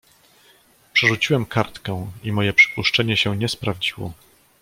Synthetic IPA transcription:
pʂɛʐut͡ɕiwɛmkaɾt̪kɛ̃w̃imɔjɛpʂɘ̥puʂt͡ʂɛɲɛɕɛɲɛspɾavd͡ʑiwɔ̰

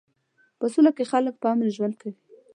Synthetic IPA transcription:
pəsulakexalək̚pəɑmlʒwand̪̚kawi

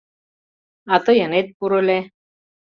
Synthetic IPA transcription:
at̪əjənet̪̚puɾolɛ

